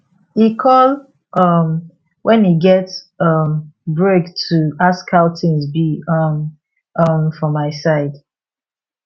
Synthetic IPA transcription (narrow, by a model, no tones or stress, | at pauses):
ikʰɔl | ʔʌm | wʔɛ̃niɡɛt | ʌmbɹektʰuaskhaʊθɪ̃ŋzbiʌm | ʌmfɔ̃maɪsaɪd̥